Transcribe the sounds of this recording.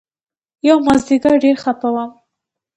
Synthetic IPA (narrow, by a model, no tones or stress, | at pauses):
jawmazd̪iɡaɾɖeɾxapawam